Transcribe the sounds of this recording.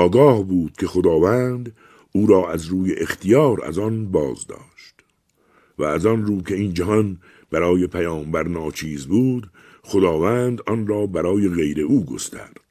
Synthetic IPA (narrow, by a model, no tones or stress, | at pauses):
ɒːɡɒːhbuːd̪̥kʲʰe̞xod̪ɒːvænd̪ | uːɾɒːʔæzɾuːjeʔext̪ʰijɒːɾæ̰zɒnbɒːzd̪ɒ̰ːʃt̪ | væːzɒnɾuːkʰe̞iːnd͡ʒæɦɒn | b̥æɾɒːjepʰæjɒːmbæɾnɒːt͡ʃʰiːzbuːd̪ | χod̪ɒːvæːnd̪ɒnrɒːbæɾɒːje̞ɣe̞jɾe̞ʔuːɡo̞̰st̪æ̰ɾd̪̥